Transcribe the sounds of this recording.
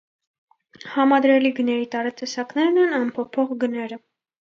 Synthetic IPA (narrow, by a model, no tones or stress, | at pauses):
hɑmɑd̪ɾɛliɡənɛɾit̪ɑɾɛt̪ɛsɑknɛɾnɛnɑnpʰɔpʰɔʁɡənɛɾə